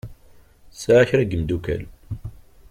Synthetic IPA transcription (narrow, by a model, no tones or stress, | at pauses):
saʕaçɾæɡəmd̪ukæ̰l